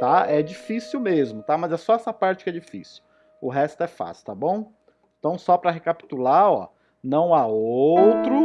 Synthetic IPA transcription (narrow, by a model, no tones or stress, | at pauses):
t̪aɛd͡ʒifisiwmezmʊt̪amɐzɛsɔɛsɐpaɾt͡ʃɪ̥kɛd͡ʒifḭsi̥w | ʊɦɛst̪ʊɛfa̰sʊ̥t̪abõw̃ | ẽt̪ɐ̃w̃sɔpɾɐɦekapi̥t̪ulaɔ̰ | nɐ̃w̃aowt̪ɾʊ